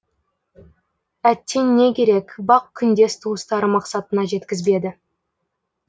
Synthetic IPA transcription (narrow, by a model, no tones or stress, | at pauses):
æt̪ːe̞nːe̞kʲe̞ɾe̞kʲbɑq̚kʲʰʏnd̪e̞st̪ʰuəst̪ɑɾəmɑqsɑt̪ənɑʒe̞t̪kʲɪzbe̞d̪ɪ